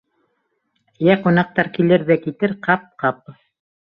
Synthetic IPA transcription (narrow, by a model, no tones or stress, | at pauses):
jæqunɑq̚t̪ɑɾkilɘɾðækit̪ɘɾqɑp̚qɑp̚